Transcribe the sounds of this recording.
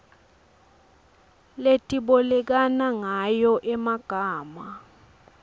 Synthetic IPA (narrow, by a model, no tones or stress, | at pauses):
letʼiɓɔlɛk̬anaŋajɔʔɛmaɡ̥ʱaːma